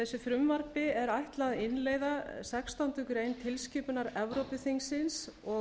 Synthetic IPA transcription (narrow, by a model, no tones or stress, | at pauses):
θɛsːʏfɾʏmvaɾpɪɛɾajht̪laðɪnleːjðasɛkst̪ant̪ʏkʏɾeːjnt̪ʰɪlscɪːpʏnaɾɛvɾowpʏθiŋsɪnsɔ